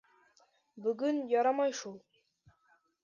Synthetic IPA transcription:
bɵ̆ɡɵnjɑɾɑmɑjʃulˠ

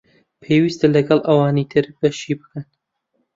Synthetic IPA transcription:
pʰeːwist̪ɐlɐɡɐlˠʔɐwɑːnit̪ʰɨɾb̥ɐʃibɨ̥kʰɐn

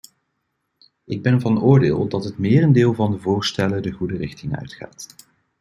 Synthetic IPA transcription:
ɪɡ̚bɛnvɑnʊːɹdɪːlˠdɑtɦətmɪːrəndeːlˠvɑndəvʊːɹstɛlədəχudərɪχtɪŋœ̰ɥtχa̰ːt

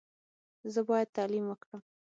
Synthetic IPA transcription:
zəbɑjad̪̚t̪ɑlimwəkɽəm

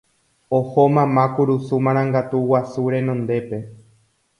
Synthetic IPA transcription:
ohomãmãkuɾusumãɾ̃ãŋɡat̪uwasuɾe̞nõnd̪e̞pe̞

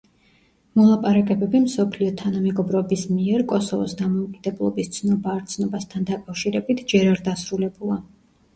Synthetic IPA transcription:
mɔlˠapʼaɾakʼɛbɛbimsɔpʰliɔt̪ʰanamɛɡɔbɾɔbismiɛɾkʼɔsɔvɔ̰sd̪amɔukʼid̪̥ɛblˠɔ̰bist̪sʰnɔbaːɾt̪sʰnɔbast̪ʰand̪akʼafʃiɾɛbit̪ʰd͡ʒɛɾaɾd̪asɾulɛbulˠa

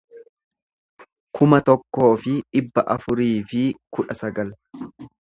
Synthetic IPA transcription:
kʰʊmɐt̪ɔkːo̞ːfɪᶑɪbːɐʔɐfʊɾiːfɪkʊᶑɐsɐɡɐl

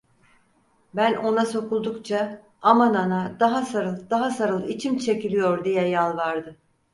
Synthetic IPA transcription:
bæno̞naso̞kulˠd̪ukt͡ʃʰa | amananad̪aɦasaɾɯlˠd̪aɦasaɾɯlˠit͡ʃʰimt͡ʃʰe̞cilʲijoɾd̪ijɛjalˠvaɾd̪ɯ

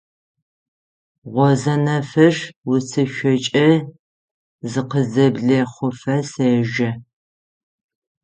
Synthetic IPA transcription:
ʁʷɔzɐnɐfɐʂwʊsʰɨʃʷɐt͡ʃʼɐ | zɨqəzɐbɮɐχʷʊfɐseːʒɐ

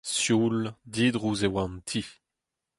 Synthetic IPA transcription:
sjuld̪iːd̪ʁuzewãnt̪ʰi

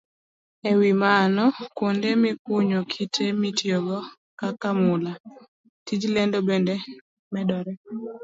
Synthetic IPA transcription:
ewimanɔkondemikuɲokʰitʰemitjoɡɔ | kakamʊla | tid͡ʒlendobende | mɛdɔɾɛ

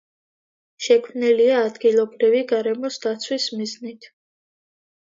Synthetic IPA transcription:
ʃɛkʰmniliaːd̪ɡilˠɔbɾiviɡaɾɛmɔsd̪at̪sʰwismiznit̪ʰ

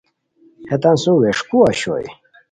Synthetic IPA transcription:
het̪ansuweʂkuaɕo̰j

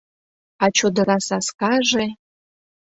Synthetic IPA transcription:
ɑt͡ɕod̪ə̆ɾɑsɑskɑʒe

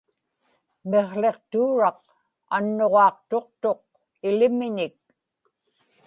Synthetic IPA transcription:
me̞ʁle̞qt̪uːɻɑq | anːo̞ʁɑːqt̪o̞q̚t̪o̞q̚ | ɪlɪmɪɲɪk̚

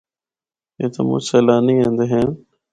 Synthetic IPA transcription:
eːt̪ə̰mṵsəlaːniẽːnd̪eɦen

